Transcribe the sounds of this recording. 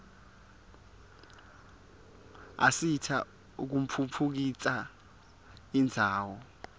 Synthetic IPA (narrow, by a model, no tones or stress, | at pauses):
a̰sitʰa | uk̬um̩pʰupʰuk̬it͡sʼa | ind͡zʱaːwɔ